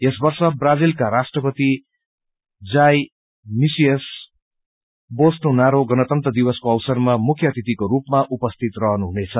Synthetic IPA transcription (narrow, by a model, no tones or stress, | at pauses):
jesbʌrsʌbrad͡zilkaɾasʈrʌpʌt̪i | d͡zaj | misijʌs | bosnonaɾoɡʌnʌt̪ʌnt̪rʌd̪iwʌskoʌwsʌrmamukʰjʌt̪it̪ikoɾupmaʔupʌst̪ʰit̪rʌɦʌnuɦunet͡sʰʌ